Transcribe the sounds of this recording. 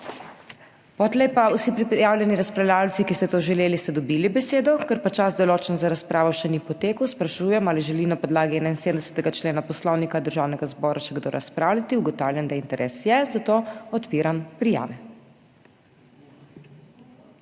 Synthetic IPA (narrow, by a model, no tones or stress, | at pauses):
pot̪lɛjpausipɾipɾɛjawlʲjɛniɾaspɾawlʲjaːwt̪sikist̪ɛt̪oʒɛleːlist̪ɛd̪ɔbilibɛseːd̪ɔkəɾpat͡ʃasd̪ɔloːt͡ʃnɔzaɾaspɾaːʋɔʃɛnipɔt̪eːkəwspɾaʃuːjɛmaliʒɛlinapɔd̪laːɡiɛːnainseːd̪ənd̪ɛsɛ̥t̪ɛɡat͡ʃleːnapɔslɔwnikad̪əɾʒawnɛɡazbɔːɾʔaʃɛɡd̪oɾʔaspɾaːwlʲat̪iuɡɔt̪aːwlʲjɛnd̪aint̪ɛɾʔɛsjɛzat̪oɔt̪piːɾampɾija̰ːʋɛ